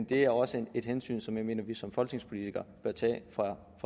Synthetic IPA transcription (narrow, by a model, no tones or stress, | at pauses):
nd̥e̝æɐɒ̽səe̝d̥hensy̰ːnsɒ̽mjɑ̈ɪme̝̰ːnɐʋisɒ̽mfɒ̽lɡ̥neŋspʰo̝lit͡sʰiɡ̥ɐb̥ɶɐt͡sʰɛ̰ːfɑ | fʁɑ